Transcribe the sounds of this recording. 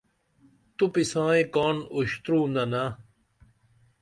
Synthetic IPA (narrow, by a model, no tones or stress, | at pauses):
t̪upisãːẽkaːnuɕt̪ɾũːnd̪ana